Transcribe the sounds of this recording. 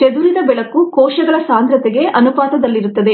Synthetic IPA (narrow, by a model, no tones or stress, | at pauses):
t͡ʃed̪uɾid̪ɐbɛɭɐkːukɔːʃɐɡɐɭɐsaːnd̪ɾɐt̪ɛɡe̞ʔɐnupaːt̪ɐd̪ɐlːiɾut̪ːɐd̪e̞